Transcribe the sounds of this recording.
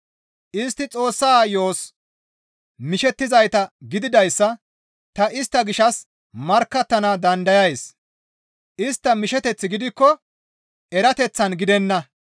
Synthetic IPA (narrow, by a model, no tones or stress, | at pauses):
ʔɪst̪ːɪt͡sʼo̞ːsːaːjo̞ːs | mɪʃɛt̪ːɪzɐjt̪ɐɡɪd̪ɪd̪ɐjsːɐ | t̪ɐʔɪst̪ːɐɡɪʃɐs | mɐɾkːɐt̪ːɐnɐd̪ɐnd̪ɐjɐjs | ʔɪst̪ːɐmɪʃɛt̪ɛt͡sːɪɡɪd̪ɪkːɔ | ɛɾɐt̪ɛt͡sːɐnɡɪd̪ɛnːɐ